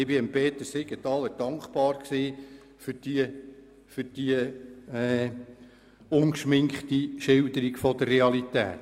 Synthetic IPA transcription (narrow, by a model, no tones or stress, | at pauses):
ɪbɪəmpeːt̪əsɪɡ̥ətɑləd̥ɑŋkχpɑːɾksiː | fʏɾd̥iə | fʏɾd̥iəɛː | ʊnkʃmɪŋkχt̪iʃɪld̪əɾiɡfɔdərːeɑlit̪æ̰ːt